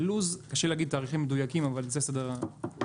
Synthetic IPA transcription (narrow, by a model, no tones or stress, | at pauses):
luzkaʃeleaɡid̪̚t̪aːʁiχimːed̪ujakimavalzesad̪aʁa